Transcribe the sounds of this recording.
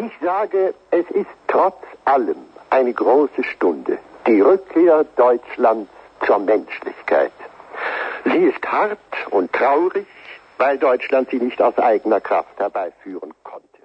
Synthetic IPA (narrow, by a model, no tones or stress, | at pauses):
ʔɪçz̥aːɡəʔɛsɪstʁ̥ɔt͡sʔaləmʔaɪnəɡʁoːsəʃtʊndə̰d̥iːʁʏkʰːeːɐd̥ɔʏt͡ʃlant͡s | t͡suːɐmɛnʃlɪ̰çkʰa̰ɪt | ziːɪsthaʁtʊntʁ̥aʊʁɪçvaɪldɔʏt͡ʃlantz̥iːnɪçtaʊsʔa̰ɪɡənɐkʁ̥a̰fthɛɐbaɪfyːʁənkʰɔntʰə̥